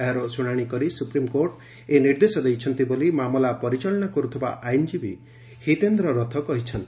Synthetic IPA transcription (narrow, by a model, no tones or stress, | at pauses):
eɦɾosuɽ̃aɽ̃ikɔɾisupɾimkoɾʈ | eniɾd̪esɔd̪ejt͡ʃʰɔnt̪ibolimamɔlapɔɾit͡ʃɔlɔɽ̃ɔkɔɾut̪ʰiba̰ʔajnd͡ʒibi | hit̪end̪ɾɔɾɔt̪ʰɔkɔɦit͡ʃʰɔnt̪i̥